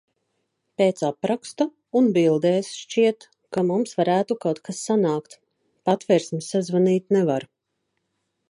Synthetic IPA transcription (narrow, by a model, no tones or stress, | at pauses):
peːt̪sapɾakst̪a | unbilˠd̪eːsʃt͡ʃiɛt̪ | kamumsvaɾæːt̪ukawt̪kʰasːanaːkt̪ | pat̪vɛɾsmsːazvaniːt̪nɛvaɾ